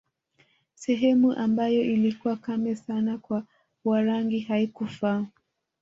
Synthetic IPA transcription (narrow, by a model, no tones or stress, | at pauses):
sɛɦɛmuʔambajɔʔilikuwakamɛsanakwa | waɾaŋɡiɦaikufa